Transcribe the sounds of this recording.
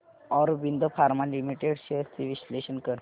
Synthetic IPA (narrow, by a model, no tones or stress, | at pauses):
ɔɾʋind̪ʱəfaɾmalimiʈeɽɕeəst̪iʋiɕleɕənkəɾ